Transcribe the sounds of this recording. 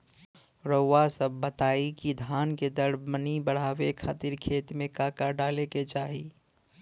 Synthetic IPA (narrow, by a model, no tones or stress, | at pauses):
ɾowasəbːət̪aːikid̪ʱaːnked̪əɽmənibəɽ̤aːwekʰaːt̪iɾkʰeːt̪mẽkaːkaɖaːleket͡ʃaːɦi